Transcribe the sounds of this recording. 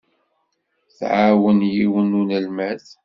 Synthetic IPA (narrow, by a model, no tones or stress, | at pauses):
θʕawənjiwənunəlmæθ